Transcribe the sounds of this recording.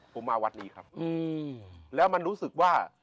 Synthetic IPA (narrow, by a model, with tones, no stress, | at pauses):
pʰo˨˩˦maː˧wa˦˧˥nːiː˦˥kʰɾa˦˥p̚ʔɯː˧lɛː˦˥wma˧nɾuː˦˥sɯ˨˩k̚waː˥˩